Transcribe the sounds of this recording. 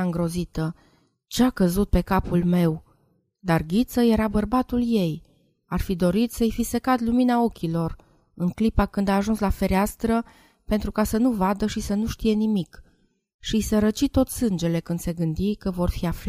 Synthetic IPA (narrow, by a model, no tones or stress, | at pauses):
ɨŋɡɾo̞zit̪ə | t͡ʃeakəzut̪̚pe̞kapulme̞w | d̪arɡʲit̪səje̞ɾabərbat̪ulje̞j | arfid̪o̞ɾit̪səjfisekat̪luminao̞kʲilo̞r | ɨŋklipakɨnd̪aːʒunslafe̞ɾeast̪ɾə | pent̪ɾukasənuvad̪əʃisənuʃt̪ije̞nimik | ʃisəɾət͡ʃit̪o̞t̪sɨnd͡ʒe̞le̞kɨnd̪se̞ɡɨnd̪ikəvo̞rfiafl